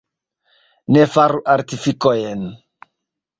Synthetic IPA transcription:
nɛfaɾuʔaɾt̪ifikɔjɛn

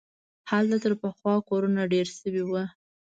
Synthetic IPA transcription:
halt̪at̪əɾpəxwɑkoɾunaɖeɾsəwiwu

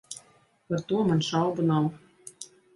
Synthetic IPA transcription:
pɤ̆rt̪uɤmɤ̆nʃɑlbɤ̆nɑl

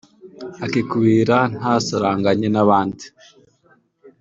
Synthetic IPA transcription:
akikuβiːɾan̥haːsaɾaːŋɡaɲenaβaːndi

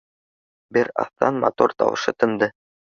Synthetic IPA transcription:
bɘɾɑ̰θt̪ɑnmɑt̪oɾt̪ɑ̰wɤ̰̆ʃɤt̪ɤ̆nd̪ɤ

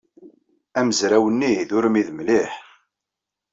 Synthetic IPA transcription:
æməzɾæwənːiðʊɾmiðmliħ

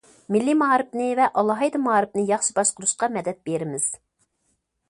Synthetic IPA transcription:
mɪlːimɑːɾɪp̚nɪvɛʔɑlˠɑɦɑjd̪ɑmɑːɾɪp̚nɨjɑχʃibɑʃqʊɾuʃqɑmɛd̪ɛt̪̚beɾɪmɪz̥

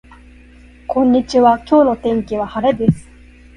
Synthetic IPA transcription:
kʰõ̞ɲ̟ːit͡ɕiβakʲo̞ːno̞t̪ẽ̞ŋkʲiβahaɾed̪e̞sɨ̥

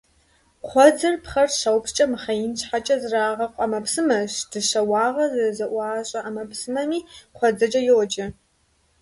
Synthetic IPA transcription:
qʷʰɔd͡zɨrpχɐrɕɐwpt͡ʃʼɐmɨχɐjɪnɕħat͡ʃʼɐzraːʁɐqʷʼɐmɐpʰsɨmɐɕd̥ɨɕɐwɑːʁɐzzɐʔʷɑːɕʼɐʔamɐpʰsɨmɐmiːqʷɔd͡zɐd͡ʒʼɐjɪwɔt͡ʃʼɪ

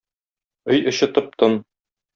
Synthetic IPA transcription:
ɵjɤ̆ɕɤ̆t̪ɤ̆p̚t̪ɤn

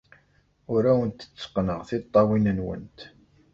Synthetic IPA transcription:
ʊɾæwənt̪ːə̥t͡sːə̥qːnəʁθɪt̪ˤːɑwinənwə̰nt̪

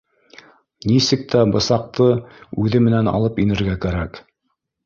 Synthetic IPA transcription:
nisɘk̚t̪æbɤ̆sɑq̚t̪ɤʉðɘmɘ̆nænɑ̰lˠɤpinɘ̆ɾɡækæɾæk

